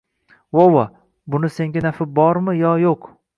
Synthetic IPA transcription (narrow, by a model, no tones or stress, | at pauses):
wowa | bʊnɪse̞ŋɡʲanafɪbɒɾmɪjɒjoq